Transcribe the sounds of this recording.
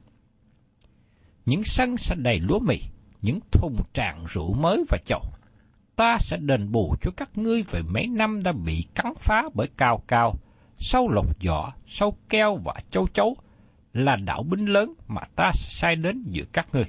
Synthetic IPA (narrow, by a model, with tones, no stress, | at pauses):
ɲɨ̰˧˥ŋsə˧ŋsɛ̰˧˥ɗə˨˩jlṵ˧˥əmḭ˧˨ | ɲɨ̰˧˥ŋt̪ʰʊ˨˩ŋ͡mt͡ɕa̰ː˧˨ŋzṵ˧˨məː˨˦jvaː˨˩t͡ɕə˧˨˩w | t̪aː˧sɛ̰˧˥ɗe˨˩nɓu˨˩t͡ɕɔ˧kaː˦˥k̚ŋɨ˧əjve˨˩mə˨˦jna˧mɗa̰ː˧˥ɓḭ˧˨ka˨˦ŋfaː˨˦ɓəː˧˩jkaː˨˩wkaː˨˩w | sa˧wlə˨˩k͡p̚zɔ̰˧˨sa˧wkɛ˧wva̰ː˨˩t͡ɕə˧wt͡ɕə˨˦w | laː˨˩ɗa̰ː˧˨wɓï˧ŋ̟ləː˨˦nma̰ː˨˩t̪aː˧sɛ̰˧˥saː˧jɗe˨˦nzɨ̰˧˥əkaː˦˥k̚ŋɨ˨˧˩əj